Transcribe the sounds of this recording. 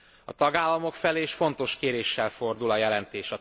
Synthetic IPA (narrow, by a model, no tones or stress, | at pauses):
ɒ̰t̪ɒɡaːlːɒmo̞kfɛleːʃfo̞nt̪o̞ʃkeːɾeːʃːɛlfo̞rd̪ulɒjɛlɛnt̪eːʃɒ